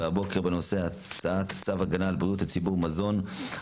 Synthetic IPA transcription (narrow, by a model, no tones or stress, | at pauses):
abo̞ke̞ʁbeno̞se̞a | t͡saat̪t͡savaɡanaːlbʁijutat͡sibuʁmazo̞n